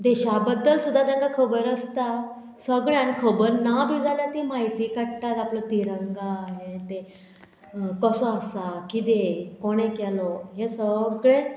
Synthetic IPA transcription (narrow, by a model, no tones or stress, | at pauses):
d̪eɕabəd̪ːəlsud̪ʱːad̪ãŋɡakʰəbəɾəst̪a | səɡɭeañikʰəbəɾnabid͡zaljat̪imaɦit̪ikəʈʈat̪aplət̪iɾəŋɡaɦet̪e | kəsɔəsakid̪ekoɽ̃ekɛlɔɦesəɡɭẽ